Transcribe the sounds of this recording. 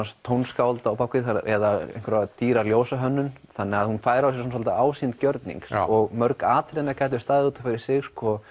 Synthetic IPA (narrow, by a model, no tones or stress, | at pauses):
anst̪ʰːownskawlt̪aːwpawkɪθaɾɛ̰ðaḛjŋkɾat̪ʰiːɾaɾljoːwsaɦœnːʏnθanːɛɣaðhunfaːjɾawsjɛɾsɔns̬ɔlt̪aaːwsint̪cœɾt̪nḭŋksɔɣmœɾkaːt̪ʰɪlejnːakaːjt̪ʏ̥st̪aːjðɪuːt̪ḁfaɾɪɾ̥sɪɣskɔ